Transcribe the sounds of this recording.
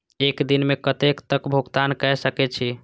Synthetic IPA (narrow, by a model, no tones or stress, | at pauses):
ekd̪inmekət̪ekt̪əkbʱuɡt̪ankɛsəkɛt͡ʃʰi